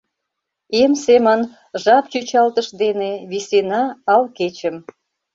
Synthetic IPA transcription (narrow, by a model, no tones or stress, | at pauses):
emsemɑn | ʒɑp̚t͡ɕyt͡ɕɑlt̪əʃd̪eneβisenɑːlket͡ɕəm